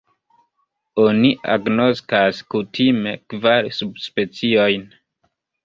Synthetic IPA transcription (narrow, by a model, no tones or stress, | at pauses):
o̞niʔa̰ɡno̞skaskutʰime̞kvaɾsubspe̞t͡sio̞jn